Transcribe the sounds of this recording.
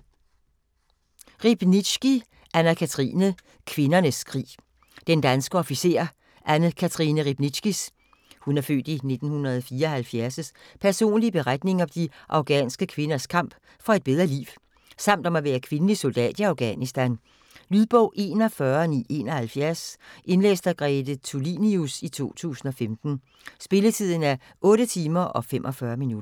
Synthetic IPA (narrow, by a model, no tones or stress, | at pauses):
ʁib̥ni̥sɡ̥i | ʔænɐkʰæt͡sʰʁḭːnə | kʰʋe̝nɐnəskʰʁḭː | d̥end̥ænsɡ̥əɒ̽fise̝̰ːɐ | ʔænð̩kʰæt͡sʰʁinəʁib̥nisɡ̥is | hunæɐfø̰ːd̥ine̝d̥n̩hunɐð̩ˠfiːɐɒhælfjæɐsəspʰæɐso̝̰ːnlib̥e̝ʁad̥ne̝ŋɒ̽md̥iʔɑ̈ʊɡ̥ɛ̰ːnsɡ̥əkʰʋe̝nɐskʰɑ̈m̰b̥ | fɒ̽e̝d̥̚b̥eð̞ˠʁɐlḭːʊ | sɑ̈m̰d̥ɒ̽mæʋæːɐkʰʋe̝nəliso̝ld̥ɛ̰ːd̥ɑ̈ʊɡ̥ɛ̰nisd̥æn | lyð̞ˠb̥ɔ̰̽ʊ̰ʔe̝̰ːnɒ̽fɶɐnḭːe̝̰ːnɒ̽hælfjæɐsʔe̝nlḛːsd̥æɡ̥ʁɛd̥ət͡sʰuliːniusit͡sʰo̝̰ːt͡sʰṵːsn̩ɒ̽femd̥n̩ | sb̥e̝lət͡sʰið̞̰ˠn̩æɐ | ʔɔ̽ːɾət͡sʰiːmɐʔɒ̽fem̰ʔɒ̽fɶːɐminudɐ